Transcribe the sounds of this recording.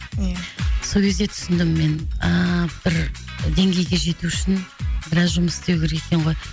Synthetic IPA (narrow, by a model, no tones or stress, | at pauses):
jso̞lkʲʰe̞zd̪e̞t̪ʰʏ̥sɪnd̪ɪmːe̞nəb̥ɪɾd̪e̞ŋɡʲe̞jɡʲe̞ʒe̞t̪uɪʃɪnbɪɾɑzʒʊməst̪ewkʲʰe̞ɾeekʲeɴʁo̞j